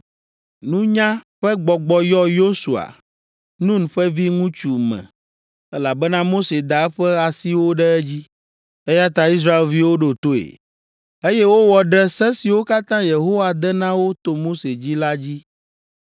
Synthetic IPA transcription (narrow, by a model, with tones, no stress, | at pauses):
nũ˦ɲã˦ɸɛ˦ɡ͡bɔ˨ɡ͡bɔ˨jɔ˦jo˦su˨a̰˨ | nũ˦nɸɛ˦vi˦ŋũ˦t͡ʃu˨mɛ̰̃˨ | ɛ˦la˨bɛ˦nã˦mo˦se˨d̪a˨ɛ˦ɸɛ˦a˨si˦wo˦ɖɛ˦ɛ˦d͡ʑi˦ | ɛ˦ja˦t̪a˨i˦s̬ɾa˦e˨lvi˦wo˦ɖo˨t̪o˦ḛ˨ | e˦jɛ˦wo˦wɔ˨ɖɛ˦sɛ˦si˨wo˦ka˦t̪ã˦je˨ɦo˦wa˨d̪ɛ˦nã˦wo˦t̪o˨mo˦se˨d͡ʑi˦la˦d͡ʑi˦